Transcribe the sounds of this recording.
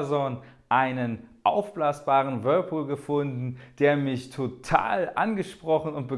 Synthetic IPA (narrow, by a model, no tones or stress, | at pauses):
zɔnʔaɪnənʔaʊfb̥laːsb̥aːʁənvœɐpʰuːlɡəfʊndn̩d̥eːɐmɪçtʰotʰa̰ːlʔa̰nɡəʃpʁ̥ɔχn̩ʊntb̥ə